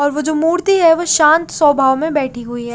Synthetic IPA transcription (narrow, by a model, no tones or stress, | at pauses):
ɔːɾʋod͡ʒoːmuːɾt̪iɦɛʋoʃãːnt̪sɔːbʱaːʋmẽbɛːʈʰiɦuiɦɛː